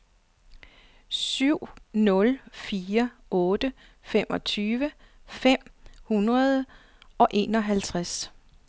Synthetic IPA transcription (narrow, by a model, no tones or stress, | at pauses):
syʊ̰nɔ̽lfiːɐʔɔ̽ːd̥ə | fem̰ʔɒ̽t͡sʰyːʋə | fem̰hunʁɐðˠə | ɒ̽ʔe̝̰ːnɒ̽ɦælt͡sʰʁas